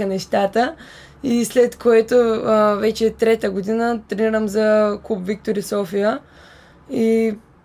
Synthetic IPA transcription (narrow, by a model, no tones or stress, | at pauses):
ənɛʃt̪at̪ə | islɛt̪koɛt̪ovɛt͡ʃɛt̪ɾɛt̪əɡod̪inət̪ɾɛniɾəmzɐklupvik̚t̪oɾisɔfijə | i